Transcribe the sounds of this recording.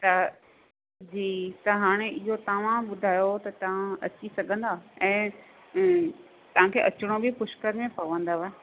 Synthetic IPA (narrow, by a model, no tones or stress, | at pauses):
t̪ɐ | d͡ʑiːt̪ɐɦaːɽ̃eɪɦot̪ɐʋãɓʊd̪ʱaːjot̪ɐt̪ɐʋ̤ãɐt͡ɕisɐɡʱə̃n̆d̪aːɛ̃ː | t̪ɐʋ̤ãkʰeːʔɐt͡ɕɪɽ̃obɪpʊʃkəɾmẽpɐʋə̃nd̪aʋɛ